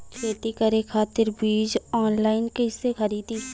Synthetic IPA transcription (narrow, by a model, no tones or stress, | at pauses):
kʰeːt̪ikɐɾekʰaːt̪ɪɾbiːd͡ʒɔːnlaːɪnkesekʰəɾiːd̪i